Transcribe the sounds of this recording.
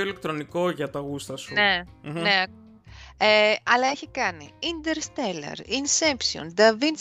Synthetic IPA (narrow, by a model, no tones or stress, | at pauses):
oile̞k̚t̪ɾo̞niko̞ʝɐt̪ɐɣust̪ɐsuneneɐ | eɐlɐeçikɐnḭind̪eɾst̪elɐ̰ɾinsepsio̰nd̪ɐvin